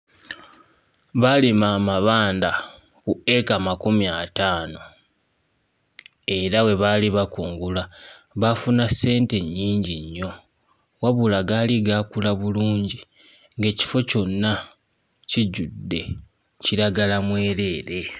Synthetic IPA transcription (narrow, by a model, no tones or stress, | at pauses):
βalimaːmaβaːnda | kue̞kamakumiataːno̞ | e̞ɾawe̞βaliβakuːŋɡulaβafunase̞ːnte̞ɲːiːɲɟiɲːo̞ | waβulaɡaliɡakulaβuluːɲɟi | ŋɡe̞ːci̥fo̞co̞nːa | ciɟudːe̞ | ciɾaɡalamwe̞ːɾe̞ːɾe̞